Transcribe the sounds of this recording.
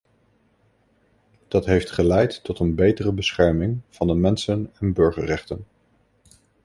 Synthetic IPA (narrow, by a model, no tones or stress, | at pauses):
d̥ɑtɦejftχəlɛjtːɔtənbejtərəbəsχɛɹmɪŋv̥ɑndəmɛnsənɛnbɵɹχərɛχtən